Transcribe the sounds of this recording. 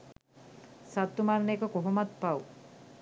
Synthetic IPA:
sat̪ːumarneːkəkoɦomat̪paw

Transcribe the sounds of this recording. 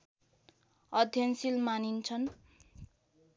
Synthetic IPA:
ʌd̪ʱjʌnsilmanint͡sʰʌn

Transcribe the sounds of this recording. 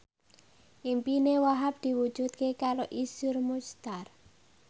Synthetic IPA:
ʔimpinewaɦap̚d̪̥i̤wu̥ʒ̥ut̪̚kekaɾoʔisʊrmust̪ar

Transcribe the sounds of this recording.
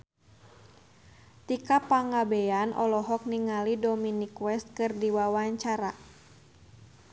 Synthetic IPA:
t̪ikapaŋabeanʔɔlɔɦɔk̚niŋalidɔminikwɛst̪̚kɨrdiwawaɲt͡ʃaɾa

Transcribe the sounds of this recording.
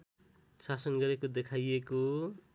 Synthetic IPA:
sasʌnɡʌɾekod̪ekʰajeko

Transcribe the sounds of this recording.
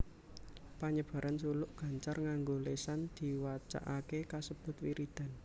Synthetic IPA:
paɲəb̥ä̤ɾansulʊʔɡ̥ä̤ɲt͡ʃarŋaŋɡolesand̪̥i̤wat͡ʃa̰ʔakekasəb̥ʊ̤t̪wiɾid̪̥a̤n

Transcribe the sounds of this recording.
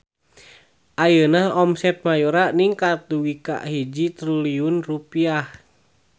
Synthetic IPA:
ʔajənahɔmsɛt̪̚majuɾaniŋkat̪̚duwika̰ʔɦid͡ʒit̪ɾuliunrupiah

